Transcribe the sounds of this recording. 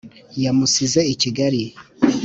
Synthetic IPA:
jamusizeiciɡaɾi

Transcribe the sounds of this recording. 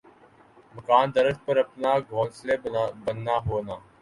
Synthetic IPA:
məkaːnd̪əɾəkpəɾəpnaːɡʱõːnsleːbənːaːɦoːnaː

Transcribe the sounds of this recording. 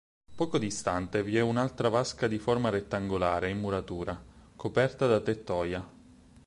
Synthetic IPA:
pɔːkod̪ist̪ant̪eviɛunalt̪ɾavaskad̪iformaɾet̪ːaŋɡolaːɾeimːuɾat̪uːɾakʰopɛrt̪ad̪at̪et̪ːɔːja

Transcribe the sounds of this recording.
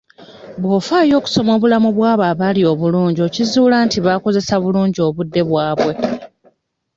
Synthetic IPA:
βwo̞ːfaːjo̞ːku̥so̞mo̞ːβulamuβwaːβaːβalio̞ːβuluːɲɟio̞ːcizuːlaːntiβako̞ze̞saβuluːɲɟio̞ːβudːe̞βwaːβwe̞

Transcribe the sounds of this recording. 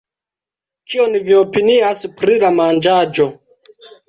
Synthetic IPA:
kionviopiniaspɾilamand͡ʒad͡ʒo̞

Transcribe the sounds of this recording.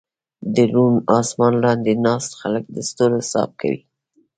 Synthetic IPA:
d̪əɾunɑsmɑnlɑnd̪enɑst̪xalək̚d̪əst̪olosɑ̰b̚kʰa̰wḭ

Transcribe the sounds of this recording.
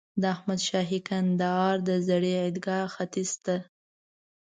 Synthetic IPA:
d̪əahmad̪ʃɑɦikand̪əɑɾd̪əzaɽeɪd̪ɡɑxat̪ist̪a

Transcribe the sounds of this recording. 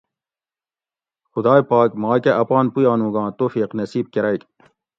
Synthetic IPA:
xʊd̪ɑːjpɑːkmɑ̃ːkeʔɐpɑːnpujɑːnũːɡɑ̃ːt̪oːfiːqnɐsiːb̚keɾɐjk

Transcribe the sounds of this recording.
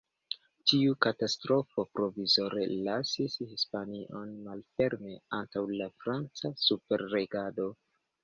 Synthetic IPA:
tiukatastɾo̞fo̞pɾo̞vizo̞ɾelasishispaniʔo̞nmalfe̞ɾme̞antawlafɾant͡sasupe̞ɾːe̞ɡado̞

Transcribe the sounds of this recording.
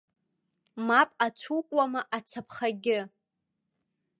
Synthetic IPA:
mapʼat͡sʷʰukʷʼwamaʔat͡sʰapʰχaɡʲɪ

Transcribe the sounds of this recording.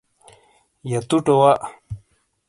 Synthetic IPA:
jat̪uʈowaʔ

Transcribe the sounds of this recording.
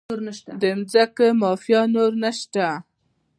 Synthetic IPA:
oɾnaʃt̪ad̪əmzakəmɑfjɑnoɾnaʃt̪a

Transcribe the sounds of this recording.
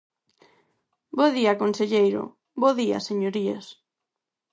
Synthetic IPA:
boðiakonseʎejɾʊ̰ | boðia̰seɲoɾiḛs

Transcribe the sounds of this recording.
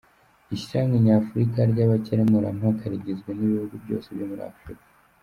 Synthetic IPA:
isiɾaŋɡaɲafuɾikaɾɟaβaceɾemuɾa̰makʰaɾiɟezɡweniβihuɡubɟo̞̰ːse̞bjo̞muɾḭa̰fɾḭkḁ

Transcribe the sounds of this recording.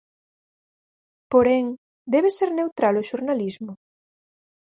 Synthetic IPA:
poɾɛŋ | d̪ɛβeseɾnewt̪ɾaloʃuɾnalizmʊ

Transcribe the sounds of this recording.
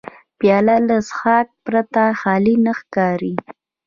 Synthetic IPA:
pjɑlalasxɑk̚pɾat̪axɑlinaxkɑɾi

